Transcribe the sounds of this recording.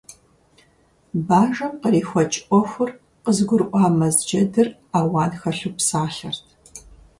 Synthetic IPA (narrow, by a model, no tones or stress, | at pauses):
baːʒɐmqəriːxʷɔt͡ʃʼʔʷʼɔxʷʊr | qəzɡʷʊrʔʷɑːmɐzd͡ʒɐdɨraːwaːnxɐɬupsaːɬɐrtʰ